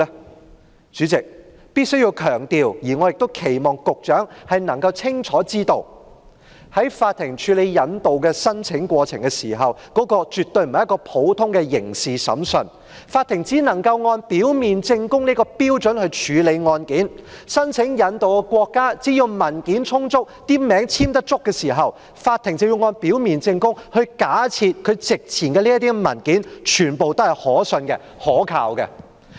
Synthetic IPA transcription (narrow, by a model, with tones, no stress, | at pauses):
t͡ʃyː˨˥t͡sɪ˨k̚ | piː˥t̚sɵ˥ɥjiː˧wkʰœː˨˩ŋt̪iː˨wjiː˨˩ŋɔ˨˧jɪ˨k̚t̪o˥wkʰe˨˩jmɔː˨˩ŋkʊ˨k̚t͡ʃœː˨˥ŋhɐ˨jnɐ˨˩ŋkɐ˧wt͡sʰɪ˥ŋt͡ʃʰɔː˨˥t͡siː˥t̪o˨˧w | hɐ˨˥jfaː˧t̪ʰɪ˨˩ŋt͡ʃʰyː˨˧˥le˨˧jjɐ˨˧˥nt̪o˨wkɛ˧sɐ˥nt͡sʰɪ˨˥ŋkʷɔː˧t͡sʰɪ˨˩ŋkɛ˧siː˨˩ɦɐ˨wkɔː˨˥kɔː˧t͡ʃyː˨t̪ːɵ˧ɥm̩˨jɐ˥kɔː˧pʰo˨˥wt̪ʰʊ˥ŋkɛ˧jɪ˨˩ŋsiː˨sɐ̰˨˥msɵ˨˧n | faː˧t̪ʰːɪ˨˩ŋt͡siː˨˥nɐ˨˩ŋkɐ˧wŋɔː˧npiː˨˥wmiː˨nt͡sɪ˧ŋkʊ˥ŋniː˥kɔː˧piː˥wt͡ʃɵ˨˥nhɵ˧ɥt͡ʃʰyː˨˧le˨˧jŋɔː˧nkiː˨˥nsɐ˥nt͡sʰɪ˨˥ŋjɐ˨˧nt̪o˨wkɛ˧kʷɔː˧kːaː˥t͡siː˨˥jʊ˨˧wmɐ˨˩nkiː˨˥nt͡sʰʊ˥ŋt͡sʊ˥k̚t̪iː˥mɛː˨˥ŋt͡sʰiː˥mt̪ɐ˥k̚t͡sʊ˥kːɛː˧siː˨˩ɦɐ˨w | faː˧t̪ʰɪ˨˩ŋt͡swji˧wŋɔː˧npi˨˥wmiː˨nt͡sɪ˧ŋkʊ˥ŋhɵ˧ɥkaː˨˥t͡sʰiː˧t̚kʰɵ˨˧ɥt͡sɪ˨k̚t͡sʰiː˨˩nkɛ˧liː˥jɐ˥t̪iː˥mɐ˨˩nkiː˨˥nt͡ʃʰyː˨˩npo˨wt̪o˥hɐ˨jhɔː˨˥sɵ˧nkɛ̰˧ | hɔː˨˥kʰa̰ː˧wkɛ̰˧